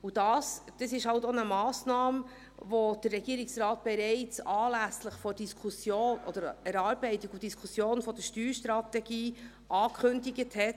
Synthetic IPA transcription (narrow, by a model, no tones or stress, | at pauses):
udɑːsd̥əsɪʃhɑltonəmɑːsnɑːm | vod̥ərːɛɡiːɾɪksrɑːt̚b̥ɛɾɛɪt͡sɑːlæsləχfɔɾd̥iskʰusjoːnʔɔ̰d̥əɾɛɾɑːɾbɛɪtɪɡud̥iskʰusjoːnfɔd̥əʃtyːɾʃtɾɑt̪ɛɡ̥iː | ʔɑːkʰχɵndiɡəthɛt